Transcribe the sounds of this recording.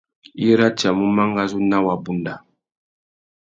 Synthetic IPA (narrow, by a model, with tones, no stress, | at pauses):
i˦ɾa˦t͡ʃa˨mu˦ma˦ŋɡa˦zu˦na˦wa˨bu˨nda˨